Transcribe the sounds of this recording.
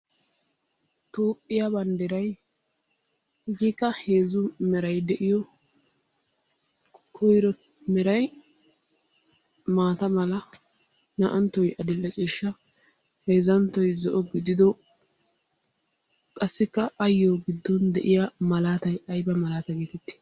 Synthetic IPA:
t̪oːpʼːɪjabɐnd̪ɛɾɐj | hɪɡikːɐheːzʊmɛɾɐjd̪ɛʔɪjɔ | kʰɔjɾɔ | mɛɾɐj | maːt̪ɐmɐlɐ | nɐ̰ʔɐnt̪ːɔjɐd̪ɪlːɐt͡ʃʼiːʃːɐ | he̞ːzɐnt̪ːɔjzɔʔɔɡɪd̪ɪd̪ɔ | kʼɐsːɪkːɐɐjːoːɡɪd̪ːɔnd̪ɛʔɪjamɐlaːt̪ɐjɐjbɐmɐlaːt̪ɐɡet̪ɪt̪ːɪ̥

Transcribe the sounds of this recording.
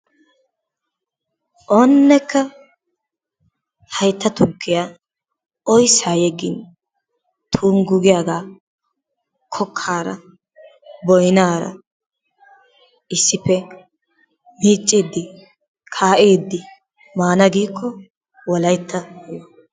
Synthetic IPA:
ʔoːnːɛkːɐ | hɐjt̪ːɐt̪ʊkːɪja | ɔjsaːjɛɡɪ̰n | t̪ʰuːŋɡʊɡɪjaːɡaː | kʰɔkʰːaːɾɐ̰ | bɔjnaːɾɐ̰ | ʔɪsːɪpːɛ | miːt͡ʃʼːeːd̪ːɪ | kʰaːʔeːd̪ːɪ | maːnɐɡiːkʰːɔ | wɔlɐjt̪ʰːɐhɔwɔ

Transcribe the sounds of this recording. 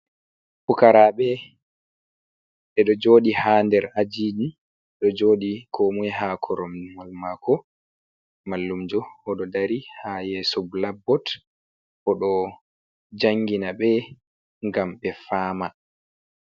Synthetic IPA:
fukaɾaɓɛ | ɓɛɗɔd͡ʒoːɗihaːndɛɾad͡ʒiːdi | ɗɔd͡ʒoːɗikʰomujɛɦakʰɔɾɔmmalmakʰɔ | malːumd͡ʒɔhɔɗɔdaɾihajɛsublabːɔt | hɔɗɔ | d͡ʒaŋːɡinaɓɛ | ŋɡamɓɛfaːma

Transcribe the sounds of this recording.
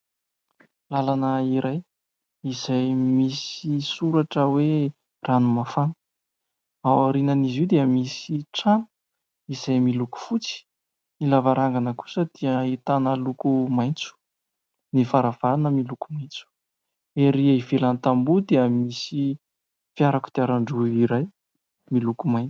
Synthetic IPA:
lalanəiɾaj | izajmisisuɾaʈ͡ʂəwe | ranumafan | awaɾinəniziwd̪eəmisiʈ͡ʂanu̥ | iz̥ajmiluku̥fut͡si̥ | nilavaɾaŋɡanəku̥səd̪̥iəit̪anəlukumajnt͡su̥ | nifaɾav̥aɾanəmilukumajnt͡su̥ | eɾiaivelant̪ambud̪eəmisi | fijaɾaku̥d̪̥eaɾaɳɖ͡ʐuiɾaj | milukumajnt͡s

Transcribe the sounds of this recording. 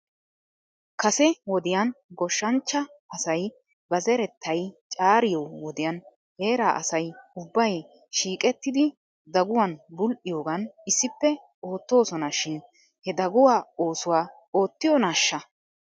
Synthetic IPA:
kɐsɛwɔd̪ɪjɐnɡɔʃːɐnt͡ʃːɐ | ɐsɐj | bɐzɛɾɛt̪ʰːɐjt͡ʃʼaːɾɪjɔwwɔd̪ɪjɐn | he̞ːɾaːʔɐ̰sɐjʊbːɐj | ʃiːkʼɛt̪ːɪd̪ɪ | d̪ɐɡʊwɐnbʊlʔɪjo̞ːɡɐnɪsːɪpːɛ | o̞ːt̪ːo̞ːsɔnɐʃɪn | hɛd̪ɐɡʊwaːoːsʊwaː | oːt̪ːɪjɔnaːʃːɐ

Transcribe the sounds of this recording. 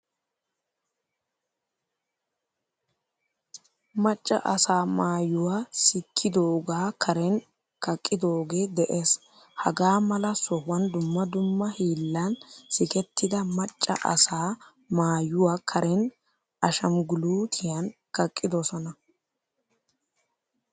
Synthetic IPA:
mɐt͡ʃʼːɐ̰ʔɐsaːmaːjʊwaːsɪkʰːɪd̪o̞ːɡaːkʰɐɾɛn | kɐkʼːɪd̪o̞ːɡe̞ːd̪ɛʔe̞ːs | hɐɡaːmɐlɐsɔhwɐnd̪ʊmːɐd̪ʊmːɐhiːlːɐnsɪkɛt̪ʰːɪd̪ɐmɐt͡ʃʼːɐ̰ʔɐ̰saː | maːjʊwaːkʰɐɾɛn | ɐʃɐmɡʊluːt̪ʰɪjɐnkɐkʼːɪd̪ɔsɔnɐ

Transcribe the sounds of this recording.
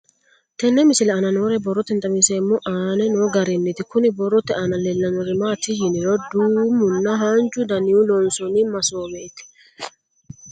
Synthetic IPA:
t̪ɛnːɛmɪsɪlɛɐnɐnoːɾɛbɔrːɔt̪ɛnt̪ʼɐmɪnseːmːɔʔaːnɛnoːɡɐɾɛnːɪt̪ɪkʊnɪbɔrːɔt̪ɛʔɐnɐlɛlːɐnɔɾɪmaːt̪ɪjɪnɪɾɔd̪uːmʊnːɐɦaːnt͡ʃʼːʊd̪ɐnɪʊlɔnsɔnɪmɐsoːbeːt̪ɪ̥

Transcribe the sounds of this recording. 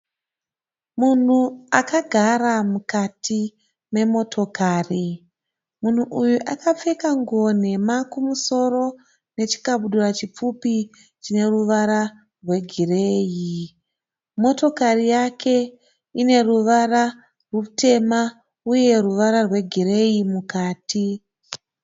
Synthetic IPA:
mun̤uakaɡʱaramukatʰi | me̞mo̞tʰo̞kaːri | mun̤uʔujuʔakap͡fekaŋɡon̤e̞makumuso̞ɾo̞ | ne̞t͡ʃi̥kaɓuɗurat͡ʃip͡fupi | t͡ʃine̞ruʋaɾa | rwe̞ɡʱire̞ːji | mo̞to̞karijake̞ | ine̞ruʋara | rwuute̞ma | uje̞ruʋaɾarwe̞ɡʱire̞jimukaːti

